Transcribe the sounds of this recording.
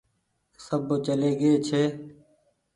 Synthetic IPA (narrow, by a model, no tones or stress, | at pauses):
səbt͡ʃəleːɡeːt͡ʃʰeː